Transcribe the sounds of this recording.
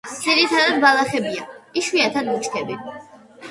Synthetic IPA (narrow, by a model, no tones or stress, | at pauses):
d̪iɾit̪ʰad̪ad̪̚balˠaχɛbiaiʃwiat̪ʰad̪mut͡ʃkʰɛbi